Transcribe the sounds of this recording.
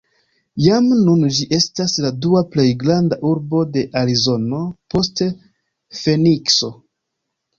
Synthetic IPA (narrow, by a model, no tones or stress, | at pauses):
jamnund͡ʒiʔe̞stasladuaple̞jɡɾandaʔuɾbo̞de̞ʔaɾizo̞no̞po̞ste | fe̞nikso̞